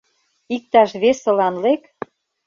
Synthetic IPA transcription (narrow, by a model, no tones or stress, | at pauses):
ik̚t̪ɑʃβesə̆lɑnlek